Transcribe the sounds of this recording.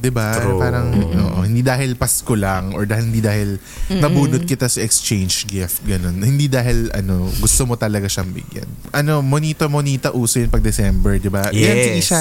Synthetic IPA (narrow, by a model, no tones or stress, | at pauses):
d̪ɪbapaːɾɐŋʔo̰ːʔo̰hɪnd̪iːd̪aːɦɪlpɐskolaŋɔɹd̪aːhɪlhɪnd̪iːd̪aːhɪl | nɐbuːnot̪̚kɪt̪asɐɛkst͡ʃejnd͡ʒɡɪft̪̚ɡɐnonhɪnd̪iːd̪aːɦɪlɐ̰no̞ɡʊst̪omot̪ɐlɐɡaʃɐŋbɪ̰ɡjɐ̰n | ʔɐno̞moniːt̪omoniːt̪ɐʔuːsojʊŋpɐɡ̚d̪ɛsɛmbɛɹd̪ɪbaɡɐjasɪd̪iːʃa